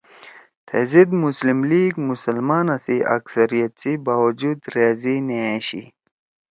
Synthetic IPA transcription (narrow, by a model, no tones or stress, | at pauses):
t̪ʰezid̪muslimliːɡmusɐlmaːnɐsiʔɐ̰ksɐɾijɐt̪̚t͡sibaːwɐd͡ʑud̪ɾaːzineaɕḭ